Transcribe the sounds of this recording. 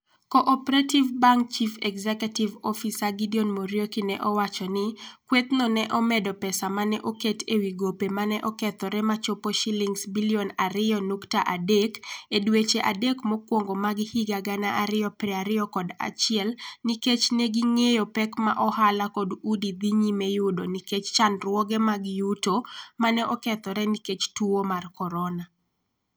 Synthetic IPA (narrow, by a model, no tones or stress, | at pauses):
kɔʔɔpeɾativbaŋk̚t͡ʃifɛ̰kzɛkɛtivɔfisaɡidionmoɾjokinɛʔɔwat͡ʃɔnɪkwet̪nɔnɛʔɔmɛdɔpɛsamanɛʔoketʰewiɡopemanɛʔɔkɛt̪ɔɾɛmat͡ʃopoʃiliŋsbiliɔnaɾɪjɔnuktaʔadekedwet͡ʃeʔadekmɔkwoŋɡomaɡɪhiɡaɡanaʔaɾɪɔpɾɛaɾɪɔkɔda̰t͡ʃɪɛlniket͡ʃnɛɡiŋejopɛkma̰ʔɔhalakɔdudid̪iɲimɛjʊdoniket͡ʃt͡ʃanrwɔɡɛmaɡjutomanɛʔɔkɛt̪ɔɾɛniket͡ʃtuomarkɔɾɔna